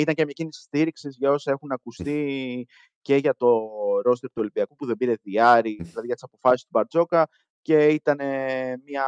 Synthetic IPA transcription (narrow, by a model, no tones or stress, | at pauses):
it̪ɐnɲcemɲɐcinisi̥st̪iɾiksizʝɐo̞sɐe̞xunɐkust̪i | ce̞ʝɐt̪o̞ɾo̞st̪eɾt̪uolimbiɐkupuðe̞biɾe̞ðiɐɾiðilɐðiʝɐt̪i̥sɐpo̞fɐsist̪ubɐɾd͡zo̞kɐ | ce̞it̪ɐnemɲɐ